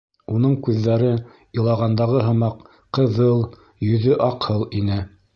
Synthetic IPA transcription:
unɤɴkʉðːæɾɘ | ɤ̆lˠɑʁɑnd̪ɑʁɤɦɤ̆mɑq | qɤ̆ðɤlˠ | jɵ̆ðɵʔɑqhɤlˠinɘ

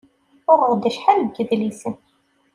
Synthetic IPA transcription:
ʊʁəʁd̪əʃħalɡːəðlisən

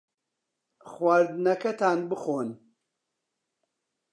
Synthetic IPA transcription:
xwaɾd̪ɨnɐkʰɐt̪ʰaːnbɨxoːn

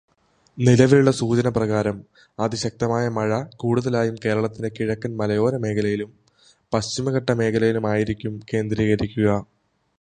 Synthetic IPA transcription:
nilɐʋiluɭːɐsuːt͡ɕɐnɐprɐɣaːɾɐm | ɐðiɕɐk̚t̪ɐmaːjɐmɐɻɐkuːɽuðɐlaːjumke̞ːɾɐɭɐt̪ːinekiɻɐkːɐnmɐlɐjo̞ːɾɐme̞ːkʰɐlɐjilum | pɐɕt͡ɕimɐɣɐʈːɐme̞ːkʰɐlɐjilumaːjiɾikʲːumke̞ːnd̪ɾiːɣɐɾikʲːuɣɐ

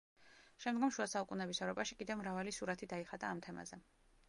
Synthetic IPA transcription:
ʃɛmd̪ɡɔmʃuasaukʼunɛbisɛvɾɔpʼaʃikʼid̪ɛvmɾavalisuɾat̪ʰid̪aiχad̪aːmt̪ʰɛma̰zɛ

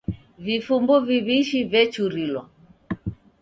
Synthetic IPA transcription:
vifumbuviβiʃivɛt͡ʃuɾilwa

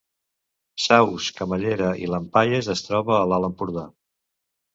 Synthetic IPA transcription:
sawskəməʎeɾəʔḭləmpajezəst̪ɾɔβəːlaləmpuɾða

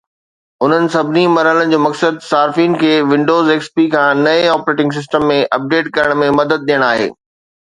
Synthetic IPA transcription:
ʊn̤ənɪ̆sɐbʱɪnimɐɾɦələnɪ̆d͡ʑoːmɐksəd̪̚saːɾfiːnkʰeːʋɪ̃ɳɖoːzeːkspikʰãːnɐeɔːpɾeːʈɪ̃ŋɡs̬ɪs̬ʈəmːẽʔɐp̚ɖeːʈkɐɾəɽ̃mẽmɐd̪əd̪̚ɗijəɽ̃aːɦḛː

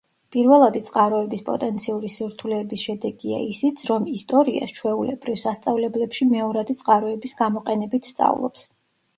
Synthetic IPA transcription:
pʼiɾvɛlˠad̪it̪sʼqʼaɾɔɛbispʼɔ̰t̪ʼɛnt̪sʰiuɾisiɾt̪ʰulɛːbisʃɛd̪ɛɡia̰isit̪sʰɾɔmist̪ʼɔɾia̰st͡ʃʰwɛulɛ̰bɾivsast̪sʼavlɛblɛpʃimɛɔɾad̪it̪sʼqʼaɾɔɛbisɡamɔqʼɛnɛbit̪ʰst̪sʼa̰vlˠɔ̰ps

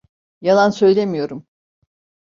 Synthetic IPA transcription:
jalˠansø̞jlʲemijo̞ɾum

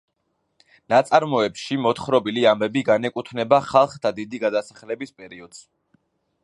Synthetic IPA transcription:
nat̪sʼaɾmɔɛpʃimɔt̪χɾɔbiliambɛbiɡanɛkʼut̪ʰnɛbaχalˠχt̪ʰad̪id̪iɡad̪asaχlɛbispʼɛɾiɔd̪̥z̥

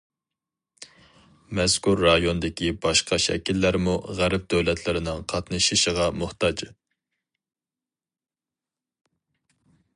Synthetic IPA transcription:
mɛskuɾːɑjond̪ɪkʲʰibɑʃqʰɑʃɛ̰kʲilːæɾmuʁæɾɪp̚d̪øwlɛt̪ʰlɪɾɪnɪŋqʰɑt̪nɨʃiʃəʁɑmʊht̪ɑd͡ʒ

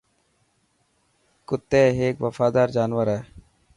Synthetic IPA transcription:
kʊt̪ːeːɦeːkʋəfaːd̪aːɾd͡ʒaːnʋəɾɛː

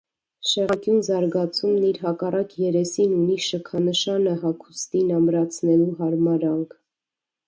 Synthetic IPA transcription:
ʃɛʁɑkjunzɑɾɡɑt͡sʰumniɾɦɑkɑrɑkjɛɾɛsinuniʃəkʰɑnəʃɑnəɦɑkʰu̥st̪inɑmɾɑt͡sʰnɛluɦɑɾmɑɾɑŋkʰ

